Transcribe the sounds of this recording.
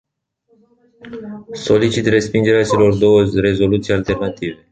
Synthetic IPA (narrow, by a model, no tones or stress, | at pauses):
so̞lit͡ʃit̪re̞spind͡ʒe̞ɾeat͡ʃe̞lo̞rd̪o̞wəre̞zo̞lut̪sijalt̪e̞rnat̪ive̞